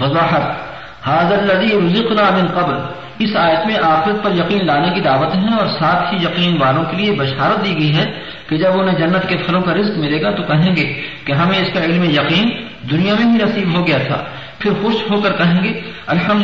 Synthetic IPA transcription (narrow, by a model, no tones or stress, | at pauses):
fɐzaːħət̪ | haːðɐlːɐziːɾʊzɪqnaːmɪnqɐbɾ | ɪsaːjət̪mẽʔaːxɪɾət̪̚pɐɾjɐqiːnlaːnekid̪aːʋət̪ɦɛ̃ɔːɾsaːt̪ʰɦijɐqiːnʋaːlõkeliebɐʃaːɾət̪̚d̪iːɡɐiɦɛ | ked͡ʒɐbʊnɦẽd͡ʒɐnːət̪kepʰɐlõkaɾɪzkmɪleːɡat̪okɐɦẽːɡeːkeɦɐmẽɪskaɪlmejɐqiːn | d̪ʊnijamẽbʱinɐsiːbɦoɡɐjat̪ʰa̰ː | pʰɪɾxʊʃɦokɐɾkɐɦẽːɡeːɐlħɐm